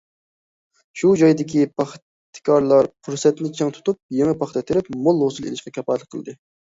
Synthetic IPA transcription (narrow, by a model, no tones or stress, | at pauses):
ʃud͡ʒɑjd̪ɪkʲipʰɑχ | t̪ʰːɪ̥kʲʰɑɾlˠɑɾqʰuɾsɛt̪nɪt͡ʃʰɨŋt̪ʰu̥t̪up̚jeŋɨpʰɑχt̪ɛt̪ʰɪɾɪpmolˠhosɨlˠḛlɪʃqɑkʲʰɛpɑt̪lˠəqʰəlˠɨd̪ɨ